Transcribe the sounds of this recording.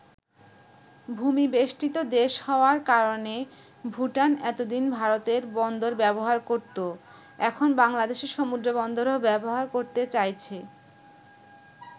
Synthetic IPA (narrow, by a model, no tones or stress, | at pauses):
bʱumibeʃʈit̪od̪eʃhɔoaɾkaɾone | bʱuʈanɛt̪od̪inbʱaɾot̪eɾbɔnd̪oɾbɛboɦaɾkoɾt̪o | ɛkʰonbaŋlad̪eʃeɾʃɔmud̪ɾobɔnd̪oɾoɦobɛboɦaɾkoɾt̪et͡ɕajt͡ɕʰe